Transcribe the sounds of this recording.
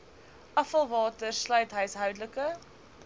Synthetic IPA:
ʔɐfɐlˠvɑːtərslœɥtɦəɥsɦœwdləkə

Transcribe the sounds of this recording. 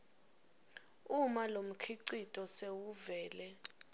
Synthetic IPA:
umalom̩kʰiǀitʼɔsewuvɛːlɛ

